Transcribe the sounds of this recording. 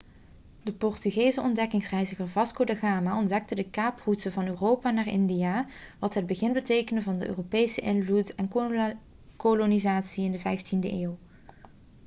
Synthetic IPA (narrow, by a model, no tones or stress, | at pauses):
dəpɔrtyɣejzəɔndɛkɪŋsrɛjzəχəɹvɑskodəɣaːmaɔndɛk̚tədəkaːprutəvɑnøːrowpaːnaːrɪndijaːʋɑtɦəd̚bəɣɪnbətejkənəvɑndəʔø̰ːropejsəʔɪnvlutɛn | kolonizaːtsiɪndəvɛjftində̰ʔeːw